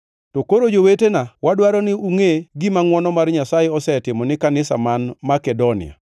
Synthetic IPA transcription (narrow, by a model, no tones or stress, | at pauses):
tɔkoɾod͡ʒowetenawadwaɾɔnɪuŋeɡimaŋwɔnɔmarɲasajeɔsɛtɪmɔnɪkanɪsa̰manmakɛdonɪ̰a̰